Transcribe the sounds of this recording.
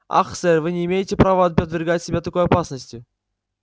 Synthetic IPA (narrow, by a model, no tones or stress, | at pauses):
a̰xsɛrʲvɨnʲɪːmʲejɪtʲɪpɾavəɐt̪̚pət̪vʲɪrɡatʲsʲɪbʲat̪ɐko̞jɐpasnəsʲtʲjʊ